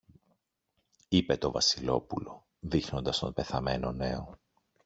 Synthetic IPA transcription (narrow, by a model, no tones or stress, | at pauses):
ipe̞t̪o̞vɐsilo̞pulo̞ | ðixno̞nd̪ɐst̪o̞̰mpe̞θɐme̞no̞ne̞o̞